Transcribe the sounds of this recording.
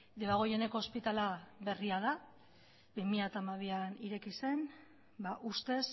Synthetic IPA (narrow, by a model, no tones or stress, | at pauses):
d̪e̞βaɣ̞o̞je̞ne̞ko̞ːspit̪alaβe̞riað̞a | bimiat̪aːmaβ̞ianiɾe̞kise̞n | baʔust̪e̞s